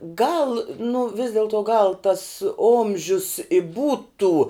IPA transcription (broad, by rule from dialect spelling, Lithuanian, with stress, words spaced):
ɡɐlˠ nʊ ʋʲɪs dʲɛlˠˈtoː ɡɐlˠ tɐs ˈoːmʲʒʲʊs ɪ ˈbuːtʊ